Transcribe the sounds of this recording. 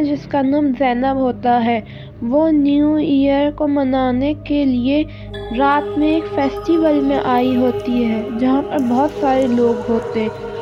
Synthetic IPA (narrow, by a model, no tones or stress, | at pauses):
d͡ʒɪskanɐmzɛːnəbɦoːt̪aɦɛː | ʋonjuijəɾkomɐnaːnekelie | ɾaːt̪mẽeːkfɛːsʈiʋəlmḛ̃ʔaːiɦoːt̪iɦɛːd͡ʒɐɦãpəɾbɔɦɔt̪saːɾeloːɡɦoːt̪eɦɛ̃